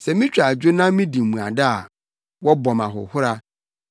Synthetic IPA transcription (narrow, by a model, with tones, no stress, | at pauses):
sɛ˨mĩ˦t͡ɕᶣa˨d͡ʑᶣʊ˦nã˦mĩ˦di˨m̩˨mũ˨a˨da˦a˨ | wɔ˦bɔ̃˨mã˨ɦʊ̰˨hʊ˦ɾa˦